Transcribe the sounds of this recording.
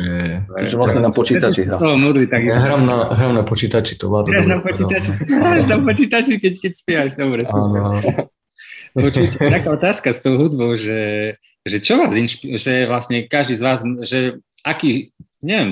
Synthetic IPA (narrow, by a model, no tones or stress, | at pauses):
ɛɛ̰ʒʋlasɲɛnapɔt͡ʃiːt̪at͡ʃiat̪ɔɦɔmud̪ɾit̪aɡiɦɾamnaɦɾaʊnapɔt͡ʃiːt̪at͡ʃi̥t̪ɔ̰bat̪ɾaʒnapɔt͡ʃiːt̪at͡ʃiɦɾaʒnapɔt͡ʃiːt̪at͡ʃikɛckɛcspɛʋaʒd̪ɔbɾɛanɛɾa | pɔt͡ʃucɛt̪akaːɔt̪aːskast̪oʊɦud̪bɔʊʒɛ | ʒɛt͡ʃɔʋaːzinʃpiʒɛʋlasɲɛkaʒd̪iːzʋaːzʒɛ | akiː | ɲɛʋɛm